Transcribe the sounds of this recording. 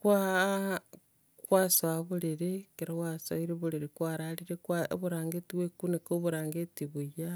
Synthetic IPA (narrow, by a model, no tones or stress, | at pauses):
kwa | kwasaβuliɾekeɾowasoiɾiβuliɾikwaɾaliɾekwa̰βuɾaːŋɡetiβwekunekoβuɾaːŋɡetiβuja